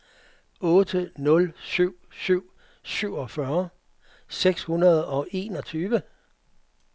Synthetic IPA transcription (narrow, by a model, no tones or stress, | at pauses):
ɔ̽ːd̥ənɔ̽lsyʊ̰syʊ̰ | syʊ̰ɒ̽fɶɐ | seɡ̥shunɐð̞ˠɒ̽ʔe̝̰ːnɒt͡sʰyːʋə